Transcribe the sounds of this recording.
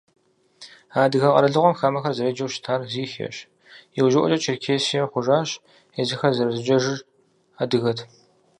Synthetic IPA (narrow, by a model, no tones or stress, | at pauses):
aːdɨɣɐqʼɐ̰ɾɐɮɨʁʷɔmxaːmɐxɐrzɐɾeːd͡ʒɐwʃtʰaːrziːxḛɕ | jɛwʒɪʔɔ̰t͡ʃʼɐt͡ʃʰɪrkʰeːsijɐχʷʊʒaːɕ | ezɨxɐrzɐrɐzɨd͡ʒʼɐʒɨr | adɨɣɐtʰ